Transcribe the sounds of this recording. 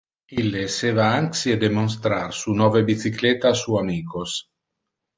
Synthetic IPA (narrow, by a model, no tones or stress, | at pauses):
ilesevaaŋksied̪emons̬t̪ɾaɾsunɔvebit̪siklet̪aːsuamiːkos